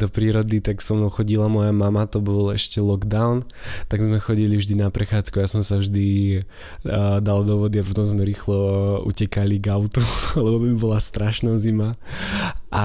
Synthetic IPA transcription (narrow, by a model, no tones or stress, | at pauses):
d̪ɔpɾiːɾɔd̪it̪aksɔmnxɔɟilamɔjamamat̪ɔbɔlɛʃcɛlɔɡd̪aʊn | t̪aɡzmɛxɔɟilivʒd̪inapɾɛxaːt͡skuajasɔmsavʒd̪i | d̪ald̪ɔʋɔd̪iapɔt̪ɔmzmɛɾiːxlɔṵcɛkaliɡaʊt̪ualɛbɔt̪ɔbibɔlast̪ɾaʃnazima | ʔa